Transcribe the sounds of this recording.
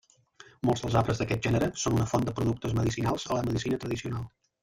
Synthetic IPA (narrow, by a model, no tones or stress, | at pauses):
molˠzðəlˠzapɾəzðəkɛt̪̚ʒɛnəɾəsonunəfond̪əpɾuðuk̚t̪əzməðisinalˠz̥ələməðisinət̪ɾəðisiunalˠ